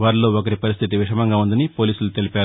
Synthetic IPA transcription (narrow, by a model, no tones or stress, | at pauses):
ʋaːɾlo̞ːokɐɾipɐɾist̪ʰit̪iʋiʂɐmɐŋɡaːund̪ɐnipoːliːsulut̪e̞lipaːɾu